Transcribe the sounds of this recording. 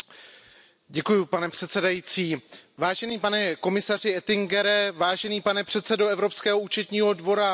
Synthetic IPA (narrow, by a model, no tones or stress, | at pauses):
ɟɛkujupanɛpr̝̥ɛt̪sɛdajiːt͡siːvaːʒɛniːpanɛko̞mɪsar̝ɪɛt̪ɪŋɡɛɾɛvaːʒɛniːpanɛpr̝̥ɛt̪sɛdoɛvɾo̞pskɛːɦouːt͡ʃɛt̪ɲiːɦo̞dvo̞ɾa